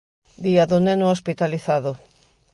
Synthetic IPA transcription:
d̪iaðʊnenʊospit̪aliθaðʊ

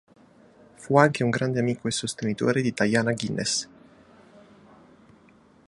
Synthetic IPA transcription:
fuaŋk̟euŋɡɾand̪eamiːkoesost̪enit̪o̰ːɾed̪it̪ajaːnaɡinʔḛs

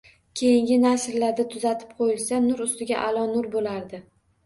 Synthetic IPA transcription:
kʲʰe̞jɪŋɡʲɪnaʃɾlaɾd̪at̪ʰʊzat̪ʰɪ̥p̚qʰojɪlˠsanʊɾʊst̪ɪɡʲaʔalˠɒnʊɾbolaɾd̪ɪ

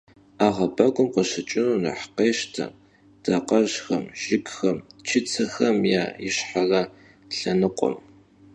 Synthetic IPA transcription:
aːʁɐbɐɡʷʼʊmqəɕɪt͡ʃʼɪnuːnɐ̰ħqeːʃtʰɐ̰ | d̥aːqɐʒxɐmʒ̥ɪkxɐmt͡ʃʰɪt͡sʰɐxɐmja̰ːjɪɕħarɐ | ɬɐnɨqʷʼɔ̰m

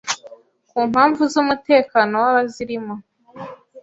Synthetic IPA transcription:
kuːmhaːɱvuzumute̞ːkano̞waβaziɾimo̞

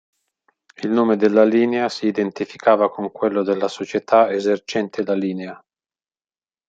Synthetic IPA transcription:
ilnoːmed̪elːaliːneasiːd̪ent̪ifikʰaːvakoŋkwelːod̪elːasot͡ʃet̪ʰaezert͡ʃɛnt̪ʰelaliːnea

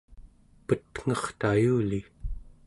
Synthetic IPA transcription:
pət̪ŋ̥ʌχt̪ajuːli

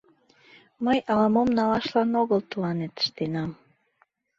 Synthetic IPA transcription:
məjɑlɑmomnɑlɑʃlɑnoɣəlt̪əlɑnet̪ə̥ʃt̪enɑm

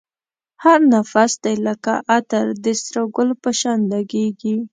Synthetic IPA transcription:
haɾnafasd̪ejləkaʔat̪aɾd̪əst̪ɾaɡʊlpəʃɑnd̪aɡeɡi

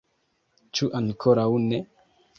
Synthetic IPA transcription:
t͡ʃuʔaŋkʰoɾaune

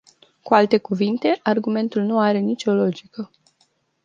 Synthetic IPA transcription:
kualt̪e̞kuvint̪e̞ʔarɡume̞nt̪ulnuaɾe̞nit͡ʃʲo̞lo̞d͡ʒikə

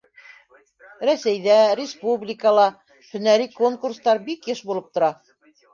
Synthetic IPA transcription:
ɾæsæjðæɾʲɪspublʲɪkəlˠɑ | hɵ̆næɾikoŋkurst̪ɑɾbikjɘʃbulˠɤp̚t̪ŏɾɑ

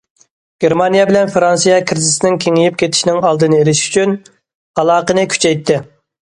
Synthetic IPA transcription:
ɡ̥ʲeɾmɑnijɛbɪlɛnfɾɑnsijɑkʲʰɾɪzɪsnɪŋkʲʰeŋijip̚kʲʰet̪ʰɪ̥ʃnɪŋɑlˠd̪ɨnɨeɾɪʃy̥t͡ʃʰyn | ɑlˠɑːqənɨkʲʰy̥t͡ʃʰɛjt̪ʰːɪ

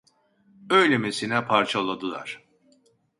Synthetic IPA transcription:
øjlʲemesinɛpʰaɾt͡ʃʰalˠad̪ɯlˠa̰ɾ̥

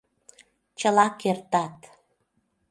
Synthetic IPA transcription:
t͡ɕəlɑkert̪ɑt̪

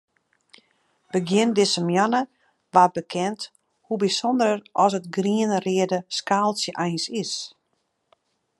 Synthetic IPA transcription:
b̥əɡjɪndɪsəmjanə | ʋabəkʰɛnt | hubisondəɾərɔsətɡriənrɪədəskaːlˠsjəʔɛjnsɪs

